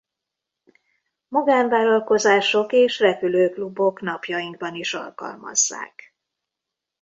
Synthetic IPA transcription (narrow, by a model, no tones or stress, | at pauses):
mɒɡaːɱvaːlɒlko̞zaːʃo̞keːʃrɛpyløːklubo̞knɒpjɒjiŋɡ̚bɒniʃɒ̰lkɒ̰lmɒ̰zːa̰ːk